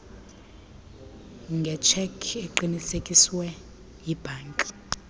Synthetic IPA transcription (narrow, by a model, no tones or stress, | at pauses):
ŋɡʱɛt͡ʃʰɛkʰeǃinisekʼiswɛ | jib̥ʱaːnkʼi̥